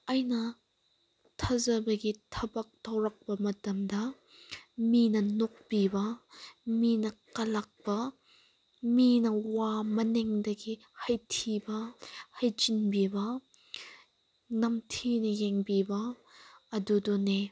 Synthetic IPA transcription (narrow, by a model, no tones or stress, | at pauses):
ɐjnɐ | tʰɐzɐbɐɡitʰɐbɐk̚tʰɐwɾɐk̚pɐmɐtɐmdɐ | minɐnok̚bibɐminɐkɐlɐk̚pɐ | minɐwamɐnɛŋdɐɡi | hɐjtʰibɐhɐjt͡ʃinbibɐ | nɐmtʰinɐjeŋbibɐː | dudɔne